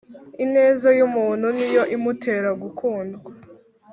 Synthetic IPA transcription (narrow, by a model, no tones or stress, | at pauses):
ine̞ːzajumuːn̥hunijo̞ʔimutʰe̞ːɾaɡukʰuːndɡa